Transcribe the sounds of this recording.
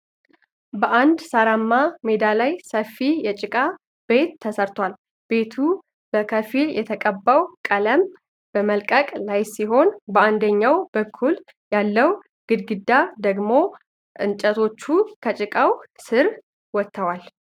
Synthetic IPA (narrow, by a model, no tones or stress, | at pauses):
bəʔand̪saɾamːame̞d̪alajsəfːijɛt͡ʃʼɪkʼa | b̥e̞t̪ʰːəsəɾt̪ʰwal | be̞t̪ʰu | b̥əkʰəfiljɛt̪ʰəkʼəbːəwkʼələm | b̥əməlkʼəkʼlajsiɦo̞nbəand̪əɲːawbəkʰːul | jalːəw | ɡ̥ɨd̪ɡɨd̪ːad̪əɡmo̞ | ʔɨnt͡ʃʼət̪ʰo̞t͡ʃːukʰət͡ʃʼɪkʼawsɨɾ | wɔt̪ʰːəwal